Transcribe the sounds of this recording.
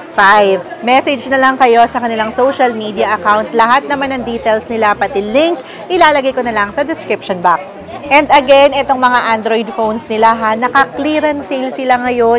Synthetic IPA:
fajvmɛsɛd͡ʒnɐlɐŋkɐjo̞sɐkɐnɪlaŋsowʃɐlmid̪iɐʔɐkawnt̪lɐɦat̪̚nɐmanːɐŋd̪iːt̪ɛlsnɪlapɐt̪ɪlɪŋk | ʔɪlaːlɐɡajkonɐlɐŋsɐd̪ɛskɾɪpʃonbak̚s | ʔɛnd̪ɐɡɛnʔɛt̪o̞ŋmɐŋaʔand̪ɾojd̪fownsnɪlaɦanɐkɐkliːɾɐnsilsɪlaŋɐjo̞

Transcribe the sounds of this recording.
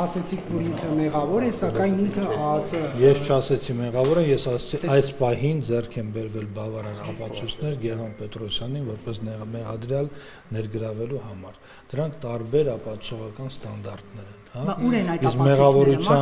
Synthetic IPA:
ɑsɛt͡sʰikʰvɔɾiŋkʰəmɛʁɑvɔɾɛsɑkɑjniŋkʰəɑt͡səjɛst͡ʃʰɑsɛt͡sʰimɛʁɑvɔɾɛnjɛsɑsɛt͡sʰiʔɑjspɑɦind͡zɛrkʰɛmbɛɾvɛlbɑvɑɾɑkɑpɑt͡sʰujt͡sʰnɛɾɡɛʁɑnpɛt̪ɾɔsjɑninvɔɾpɛsnɛmɛʁɑd̪ɾjɑl | nɛɾɡəɾɑvɛluhɑmɑɾ | d̪̥əɾɑŋkʰt̪ɑɾbɛɾɑpɑt͡sʰɔʁɑkɑnst̪ɑnd̪ɑrt̪nɛɾɛnhɑuɾɛnjiskmɛʁɑvɔɾut͡sʰjɑ

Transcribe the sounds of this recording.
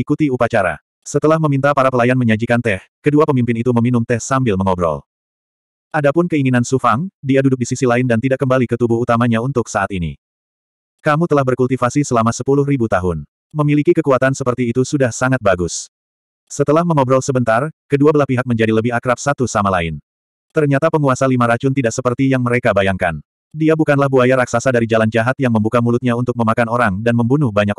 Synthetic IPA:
ikut̪iupat͡ʃaɾa̰ | sət̪əlahməmint̪apaɾapəlajanməɲad͡ʒikant̪ɛhkəduapəmimpɪnit̪uməminʊmt̪ɛhsambɪlməŋɔbɾɔ̰l | ʔadapʊnkəiŋinansufaŋdiadudʊk̚disisilaɪndant̪idaʔkːəmbalikət̪ubʊhut̪amaɲaunt̪ʊksaat̪inḭ | kamut̪əlahbərkult̪ifasisəlamasəpulʊhribut̪aɦʊn | məmilikikəkuat̪ansəpərt̪iːt̪usudahsaŋat̪̚baɡʊs | sət̪əlahməŋɔbɾɔlsəbənt̪arkəduabəlahpiɦak̚məɲd͡ʒadiləbɪɦakɾap̚sat̪usamalaɪn | t̪ərɲat̪apəŋuasalimaɾat͡ʃʊnt̪idaʔsəpərt̪ijaŋməɾekabajaŋkan | diabukanlahbuajaɾaksasadaɾid͡ʒaland͡ʒaɦat̪̚jaŋməmbukamulʊt̪̚ɲaunt̪ʊk̚məmakanoɾaŋdanməmbunʊhbaɲak

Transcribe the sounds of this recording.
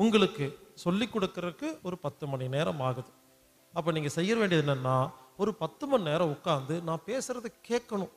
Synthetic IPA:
ʊŋɡɐɭɯkːɯsɔlːɪkːɔɽɯkːɪɾɐkːɯɔɾɯpɐt̪ːɯmɐnineːɾɐmaːɣɯðɯ | ɐpːɐːniːŋɡɐsɛjːɐʋeːɳɖɪjɐðɪnːɐnːaːɔɾɯpɐt̪ːɯmɐnɪneːɾɐ̃mʊkːaːɾnd̪ɯnãːpeːsɯɾɐðɯkːeːʈkːɐɳʊ̃

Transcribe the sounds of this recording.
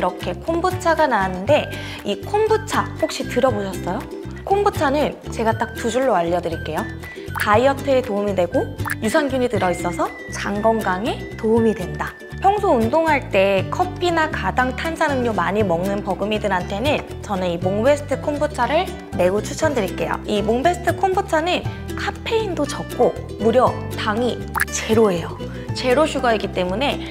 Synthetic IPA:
iɾʌkʰe̞kʰombut͡ɕʰaɡanaːnɯnde̞ | ikʰombut͡ɕʰaɸok̚ɕ͈itɯɾʌboɕʰʌs͈ʌjo | kʰombut͡ɕʰanɯnt͡ɕe̞ɡat͈ak̚tud͡ʑuɭːoaʎːʌdɯɾiɭk͈e̞jo | kaiʌtʰɯetoumidwe̞ɡojusʰʌnɡjuɲidɯɾʌis͈ʌsʰʌ | t͡ɕaŋɡʌŋɡaŋe̞ | toɯmidwe̞nda | pʰjʌŋsʰoundoŋɦaɭt͈e̞kʰʌpʰinakadaŋtʰansʰanɯmɲomaɲimʌŋnɯnpʌɡɯmidɯnɦantʰe̞nɯn | t͡ɕʌneimoŋbe̞sʰɯ̥tʰɯkʰonbot͡ɕʰaɾɯɭ | me̞ut͡ɕʰut͡ɕʰʌndɯɾiɭk͈e̞jo̰imoŋbe̞sʰɯ̥tʰɯkʰonbʰot͡ɕʰanɯn | kʰapʰe̞indot͡ɕʌk̚k͈o | muɾjʌtaŋit͡ɕe̞ɾoɦe̞jo | t͡ɕe̞ɾoɕʰuɡʌiɡit͈e̞mune̞

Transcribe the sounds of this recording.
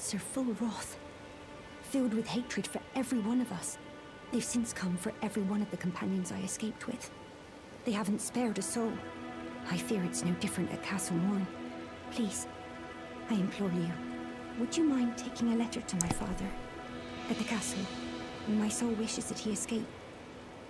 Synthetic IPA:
sə˞fʊlˠɹɔθ | fɪlˠd̚wɨð̥heɪtɹ̥ɨd̥fə˞ɛvɹiwʌ̃nʌvʌs | ðeɪv̥sɪ̃nskʰʌ̃ɱfə˞ʔɛvɹiwʌ̃nʌvðɨkʰm̩pʰãnjɨ̃nzaɪɨskeɪp̚t̚ʰwɪ̰ð̥ | ðeɪhavn̩tspɛɹɾɨsoʊlˠaɪfɪɹɨtsnoʊdɪfɹɨ̃nʔɨ̰t̚kʰasl̩ˠwʌ̃n | pʰl̥iz̥ | aɪɨ̃mpʰl̥ɔɹliə | wəd͡ʒɨmãɪ̃ntʰeɪkɪ̃ŋəlɛɾə˞ɾəmaɪfɑ̰ːðə˞ | ɨt̪̚ðɨkʰasl̩ˠə̃nmaɪsoʊlˠwɪʃɨzðɨt̚hiɨskeɪp̚t

